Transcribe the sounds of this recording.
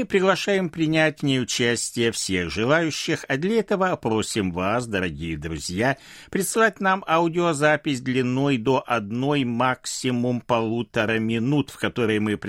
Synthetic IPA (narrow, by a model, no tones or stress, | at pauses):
mɨpɾʲɪɡlˠɐʂajɪmpɾʲɪnʲætʲvnʲejʊt͡ɕæsʲtʲɪjəfsʲe̞ɣʐɨlˠajʉɕːɪxɐd̪lʲɐɛt̪əvəpɾo̞sʲɪmvas̬d̪əɾɐɡʲijɪd̪ɾʊ̰zʲja | pɾʲɪt̪sɨlˠat̚ʲnamadʲɪozapʲɪsʲd̪lʲɪnːo̞jd̪o̞ʔɐd̪no̞jmaksʲɪmʊmpɐlˠut̪əɾəmʲɪnut̪fkɐt̪o̞ɾɨjmɨpɾʲ